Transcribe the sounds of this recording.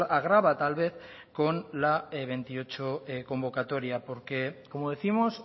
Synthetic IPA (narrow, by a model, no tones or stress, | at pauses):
aɣ̞ɾaβ̞at̪alβe̞θ | ko̞nlaeβ̞e̞nt̪io̞t͡ʃoko̞mbo̞kat̪o̞ɾjapo̞ɾke̞ko̞moð̞eθimos